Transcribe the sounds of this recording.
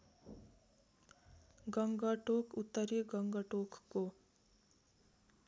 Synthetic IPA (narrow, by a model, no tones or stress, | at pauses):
ɡʌŋɡʌʈokʰut̪ːʌɾiɡʌŋɡʌʈokko